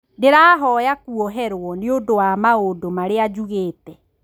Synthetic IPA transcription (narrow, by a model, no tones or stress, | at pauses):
deɾaːɦɔjakuɔɦɛɾwɔneodowamaodomaɾead͡ʑuɣeːtɛ